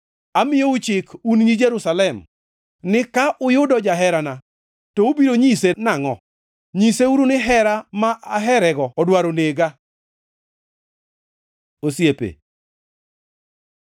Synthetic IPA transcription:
amɪjout͡ʃɪkunɲid͡ʒɛɾusalɛm | nɪkaʔʊjʊdɔd͡ʒaɦɛɾana | tɔobiɾoɲisenaŋɔ | ɲiseuɾunɪɦɛɾamaʔaɦɛɾɛɡɔɔdwaɾoneɡa | osjepḛ

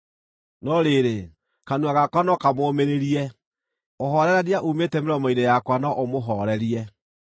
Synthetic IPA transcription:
nɔɾeɾe | kanuaɣakwanɔkamoːmeɾeɾiɛ | oɦɔɾɛɾaɾiaʔuːmeːtɛmeɾɔmɔinejakwanɔʔomoɦɔɾɛɾiɛ

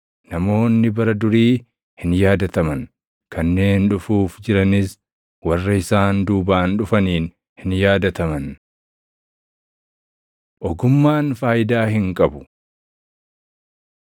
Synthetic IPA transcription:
nɐmo̞ːnːɪbɐɾɐd̪ʊɾiː | hɪnjaːd̪ɐt̪ɐmɐn | kɐnːe̞ːnᶑʊfuːfd͡ʒɪɾɐnɪs | wɐrːɐɪsaːnd̪uːbaːnᶑʊfɐniːn | hɪnjaːd̪ɐt̪ɐmɐn | ʔɔɡʊmːaːnfaːjɪd̪aːhɪŋkʼɐbʊ

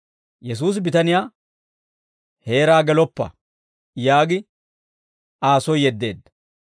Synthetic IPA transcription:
jɛs̬uːs̬bɪt̪ɐnɪjaː | he̞ːɾaːɡɛlɔpːɐ̰ | jaːɡɪ | aːsɔjːɛd̪ːe̞ːd̪ːɐ̥

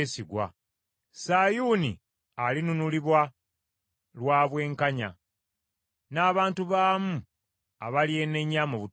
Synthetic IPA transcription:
siɡwa̰ | sajunḭ | alinunuliβwa | lwaːβwe̞ːŋkaɲa̰ | naːβaːntuβaːmu | a̰βalje̞neɲːamoβu

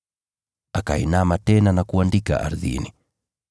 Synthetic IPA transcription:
akaḭnamatɛnanakuandika̰ʔa̰ɾðḭni

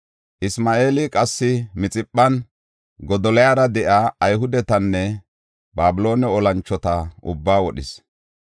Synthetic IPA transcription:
ʔɪsmaːʔe̞ːlɪkʼɐsːɪmɪt͡sʼɪpʼːɐn | ɡɔd̪ɔlɛjaːɾɐd̪ɛʔaːjɦʊd̪ɛt̪ɐnːɛ | baːbɪlo̞ːnɛɔlɐnt͡ʃːɔt̪ɐʔʊ̰bːaːwɔɗɪs

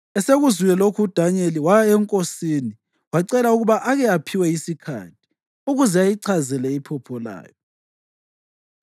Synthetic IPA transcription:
ɛseɣuzujɛlokʰuud̥ʱaɲeliwajaɛŋkʼosini | waǀɛlauɣuβaʔaɣɛapʰiwɛisikʰa̰tʰi̥ | uɣuzɛajiǀʰazɛlɛipʰɔpʰɔla̰ːjɔ

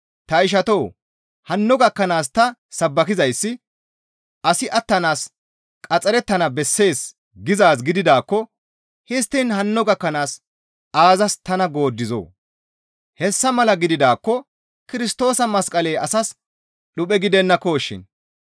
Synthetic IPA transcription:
t̪ɐɪʃ̬ɐt̪o̞ː | hɐnːɔɡɐkːɐnaːst̪ɐsɐbːɐkɪzɐjsːɪ | ʔɐsɪʔɐt̪ːɐnaːs | kʼɐt͡sʼɐɾɛt̪ːɐnɐbɛsːe̞ːs | ɡɪzaːs̬ɡɪd̪ɪd̪aːkːɔ | hɪst̪ːɪnhɐnːɔɡɐkːɐnaːs | ʔaːzɐst̪ɐnɐɡo̞ːd̪ːɪzo̰ː | hɛsːɐmɐlɐɡɪd̪ɪd̪aːkːɔ | kɪɾɪst̪o̞ːsɐmɐskʼɐle̞ːɐsɐs | ɗʊpʼɛɡɪd̪ɛnːɐkoːʃːɪ̰n

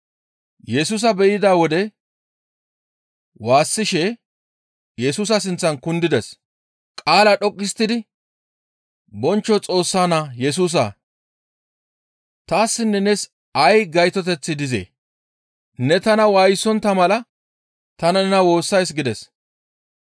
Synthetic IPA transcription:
jɛsuːs̬ɐbɛjɪd̪aːwɔd̪ɛ | waːsːɪʃɛ | jɛsuːsɐs̬ɪnt͡sːɐnkʊnd̪ɪd̪ɛs | kʼaːlɐɗɔkʼːɪst̪ːɪd̪ɪ | bɔnt͡ʃːɔt͡sʼo̞ːsːaːnajɛs̬uːs̬a̰ | t̪aːsːɪnːɛnɛs | ɐjɡɐjt̪ɔt̪ɛt͡sːɪd̪ɪzḛː | nɛt̪ɐnɐwaːjsːɔnt̪ɐmɐlɐ | t̪ɐnɐnɛnɐwo̞ːsːɐjs̬ɡɪd̪ɛs

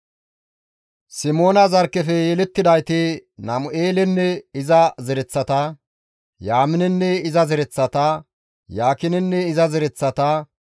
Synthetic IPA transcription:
sɪmo̞ːnɐzɐɾkːɛfɛjɛlɛt̪ːɪd̪ɐjt̪ɪnɐmʊʔeːlɛnːɛɪzɐzɛɾɛt͡sːɐt̪ɐ | jaːmɪnɛnːɛɪzɐzɛɾɛt͡sːɐt̪ɐ | jaːkɪnɛnːɛɪzɐzɛɾɛt͡sːɐt̪ɐ

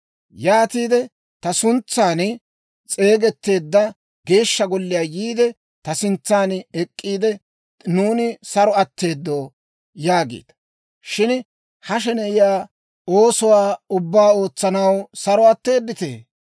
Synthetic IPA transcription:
jaːt̪iːd̪ɛ | t̪ɐsʊnt͡sːaːn | t͡sʼe̞ːɡɛt̪ːe̞ːd̪ːɐ | ɡe̞ːʃːɐɡɔlːɪjaːjiːd̪ɛ | t̪ɐsɪnt͡sːaːnɛkʼːiːd̪ɛ | nuːnɪsɐɾɔɐt̪ːe̞ːd̪ːo̞ː | jaːɡḛːd̪̥ɐ | ʃɪn | hɐʃ̬ɛnɛɪjaː | oːsɔwaːʊbːaːo̞ːt͡sːɐnɐwsɐɾɔɐt̪ːe̞ːd̪ːɪt̪e̞̰ː

